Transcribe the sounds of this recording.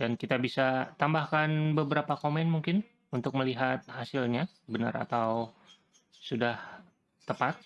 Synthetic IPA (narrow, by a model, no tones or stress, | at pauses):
d̥ankit̪abisat̪ambahkanbəbəɾapakomɛnmuŋkɪn | unt̪ʊk̚məliɦat̪̚hasilɲa | bəna̰ra̰t̪aw | sudah | t̪əpat̪̚